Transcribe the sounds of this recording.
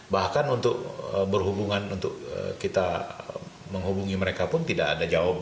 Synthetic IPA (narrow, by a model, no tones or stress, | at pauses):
bahkanunt̪ʊk̚əbərɦubuŋanunt̪ʊk̚ə̰kit̪a | məŋɦubuŋiməɾekapʊnt̪idaʔa̰dad͡ʒawap̚